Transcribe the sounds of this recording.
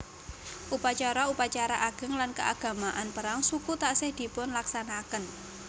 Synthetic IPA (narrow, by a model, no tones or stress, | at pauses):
ʔupat͡ʃaɾaupat͡ʃaɾaʔaɡ̥ə̤ŋlankəʔaɡ̥a̤maʔanpəɾaŋsukut̪aʔsɪhd̪̥i̤pʊnlaksanakən